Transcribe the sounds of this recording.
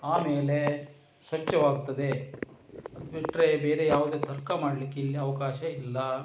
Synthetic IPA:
aːmeːle | sʋɐt͡ʃːɐʋaːɡut̪ːɐd̪e̞ | ɐd̪biʈːɾebeːɾejaːʋud̪eːt̪ɐɾkɐmaːɽɐlikːeilːiɐʋɐkaːʃɐilːɐ

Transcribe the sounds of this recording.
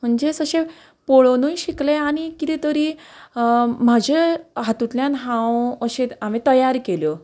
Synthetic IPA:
m̤əɳd͡ʑesəɕe | poɭonũjɕikleañikit̪it̪əɾiː | m̤ad͡ʑʱeɦat̪ut̪ljãnɦãwəɕeam̤it̪əjaɾkeljo

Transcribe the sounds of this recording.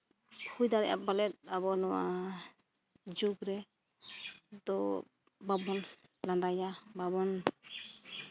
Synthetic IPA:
hujd̪aɾɛ̰ja̰balɛt̪̚abɔnɔwa̰ | d͡ʒuɡɾɛ | d̪ɔ | babɔnland̪ajababɔn

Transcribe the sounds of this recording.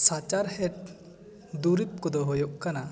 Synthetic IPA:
sat͡ʃaɾhɛʈ̚ | d̪uɾip̪̚kɔd̪ɔɦojɔʔkana

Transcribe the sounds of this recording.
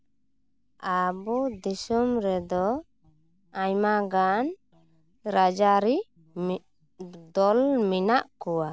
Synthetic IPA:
abud̪isumɾɛd̪ɔ | aɲmaɡan | ɾad͡ʒaɾi | d̪ɔlminaʔkɔwa

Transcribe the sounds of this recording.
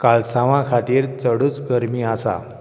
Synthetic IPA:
kalsãʋãkʰat̪iːɾt͡səɽuːt͡sɡəɾmiːasa̰

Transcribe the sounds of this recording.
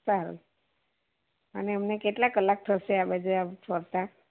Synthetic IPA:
saɦaɾə̰l | aniəmnekeʈlakəlak̚ʈʰəseabad͡ʒeafʰəɾt̪a

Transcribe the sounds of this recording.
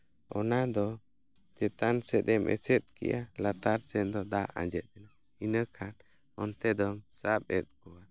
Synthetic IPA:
ɔnad̪ɔ | d͡ʒɛt̪ansɛt̪ɛmʔɛ̰sɛt̪̚kɛ̰ʔalat̪aɾsɛd̪ɔd̪aʔã̰d͡ʒɛt̪̚ɛna | inəkʰan | ɔnt̪ɛd̪ɔmsap̚ɛt̪̚kɔwa

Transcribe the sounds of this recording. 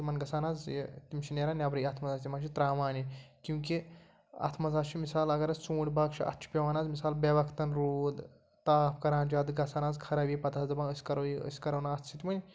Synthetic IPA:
imɐnɡɐsaːnaːzjḛt̪imt͡ʃʰinʲeːɾaːnʲaːbɾɐjɐt̪ʰmɐzaːsʲt̪ʲimɐʃʰit̪ɾaːʋaːnʲikũːki | ɐ̰t̪ʰmɐzaːt͡ʃʰimisaːlɐɡɐɾɐsuːɳʲbaːkt͡ʃʰiɐ̰t̪ʰːt͡ʃʰi̥pʲeʋaːnaːzmisaːlbeʋɐkʰt̪ɐnɾoːd̪ | t̪aːpʰkɐɾaːnd͡ʒaːd̪ɡɐsaːnaːzkʰɐɾɐbʲipɐt̪ʰaːsd̪ɨbɐnəsʲkɐɾɐjiə̰sʲkɐɾɐwnaɐt̪ʰt͡ʃʰit̪ʲimɐnʲ

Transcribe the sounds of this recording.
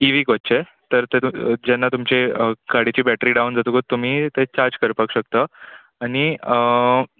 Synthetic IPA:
iʋiːkotːt͡ɕe | t̪əɾt̪ed͡ʑɛnːat̪umt͡ɕeəɡaɽit͡ɕiːbæʈɾiːɖaund͡zat̪ukot̪ːum̤iːt̪et͡ɕaɾd͡ʑkəɾpəkɕək̚t̪ə | aɽ̃i

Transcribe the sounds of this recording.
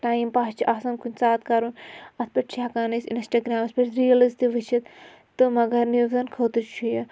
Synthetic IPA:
ʈaːimpaːst͡ʃʰiʔaːsɐnkunʲt͡saːt̪kɐɾunɐt̪̚ʰpɐʈt͡ʃʰakaːnisinsʈɐɡɾaːmɐspʲɐʈɾijɐlizt̪iʋit͡ʃʰit̪ | t̪ːɨmɐɡɐɾniɡzɐnkʰoːt̪ɨt͡ʃʰujɐ

